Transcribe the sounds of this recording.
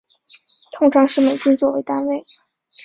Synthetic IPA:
t̪ʰʊ˥ŋʈ͡ʂʰɑ˧˥ŋʂɻ̩˥˩me˨˩t͡ɕi˥nt͡swɔ˥˧we˧˥ɪt̪a˥nwe˥˩ɪ

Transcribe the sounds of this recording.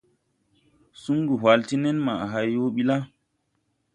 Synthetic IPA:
su˦ŋɡu˨ɦwa˨lti˦nɛ˦nma˨ɦa˦jːo˦ɓi˦la˦

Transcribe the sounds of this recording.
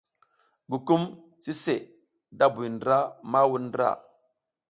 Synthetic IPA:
ɡu˨ku˦m | si˦se˨ | da˦bu˨jndɾa˦ma˦wu˨ndɾa̰˨

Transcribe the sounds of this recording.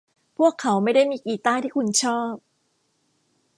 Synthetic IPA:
pʰu˥˩əkʰːa˩˦wma˥˩jda˥˩jmiː˧kiː˨˩t̪aː˥˩jt̪ʰiː˥˩kʰu˧nt͡ɕʰɔː˥˩p̚

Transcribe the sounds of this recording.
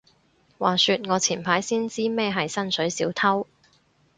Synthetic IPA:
wa̰ː˨˩syː˧t̚ŋɔː˨˧t͡sʰiː˨˩npʰaː˨˥jsiː˥nt͡siː˥mɛ˥ɦɐ˨jsɐ˥nsɵ˨˥ɥsiː˨˥wt̪ʰɐ˥w

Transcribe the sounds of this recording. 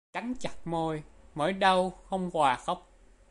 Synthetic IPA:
ka˨˦ŋt͡ɕa˨˩t̚mo˧jmə̰ː˧˥˦jɗə˧wxə˧wŋ͡mhwaː˨˩xə˦˥wk͡p̚

